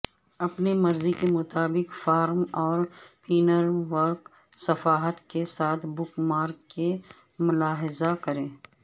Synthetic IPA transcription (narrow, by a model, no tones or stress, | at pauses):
ɐpnemɐɾzikemʊt̪aːbɪkfaːɾmɔːɾpʰiːnəɾʋəɾk | sɐfaːɦət̪kesaːt̪ʰbʊkmaːɾkːe | mʊlaːɦɪzakɐɾẽː